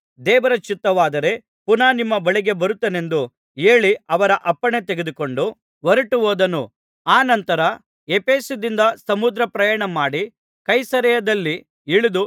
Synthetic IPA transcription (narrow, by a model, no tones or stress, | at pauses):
d̪ɛːʋɐɾɐt͡ʃit̪ːɐʋaːd̪ɐɾe̞ | punaːnimːɐbɐɭiɡe̞bɐɾut̪ːɐne̞nd̪u | e̞ːɭiɐʋɐɾɐʔɐpːɐɳet̪e̞ɡed̪uko̞ɳɖu | ʋɐɾɐʈuʋoːd̪ɐnu | aːnɐnt̪ɐɾɐ | epe̞ːsud̪ind̪ɐsɐmud̪ɾɐpɾɐjaːɳɐmaːɽi | kɐjsɐɾɛjɐd̪ɐlːi | iɭud̪u